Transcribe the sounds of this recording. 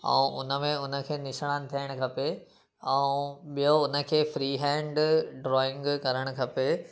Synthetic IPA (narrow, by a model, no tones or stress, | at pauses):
ɛ̰̃ːʔʊnə̆mẽʊnə̆kʰeːnɪʃəɽ̃aːnɪ̆t̪ʰiəɽ̃ʊ̆kʰɐpe | ɛ̃ũɓijoʊnə̆kʰeːfɾiːɦɛ̃ːɳɖɖɾɔːɪ̃ŋɡkɐɾəɽ̃ʊkʰɐpe